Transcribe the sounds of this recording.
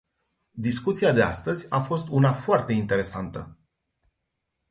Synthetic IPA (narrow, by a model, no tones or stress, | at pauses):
d̪iskut̪siad̪e̞a̰st̪əzʲafo̞st̪unafoart̪e̞int̪e̞ɾe̞sant̪ə